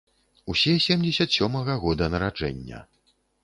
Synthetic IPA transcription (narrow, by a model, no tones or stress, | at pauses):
usʲɛsʲɛmd͡zʲɛsʲɐt̪sʲɔmɐɣɐɣɔd̪ɐnɐɾad͡ʐɛ̰nʲːɐ̰